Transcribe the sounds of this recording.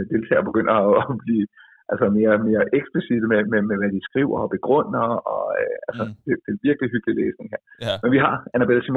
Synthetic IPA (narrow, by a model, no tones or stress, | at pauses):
d̥e̝lt͡sʰɛ̰ːb̥e̝ɡ̥øn̰ɐɒb̥liː | ʔælsɐme̝ːɐme̝ːɐʔeɡ̥sb̥lisid̥əmememeʋæd̥isɡ̥ʁḭʊ̰ɐɒb̥e̝ɡ̥ʁɔ̽n̰ɐɒ̽øælsɐd̥ed̥enʋiɐɡ̥liɦyɡ̥lileːsne̝ŋɦeɐ̰menʋiɦɑ̈ænæb̥elsim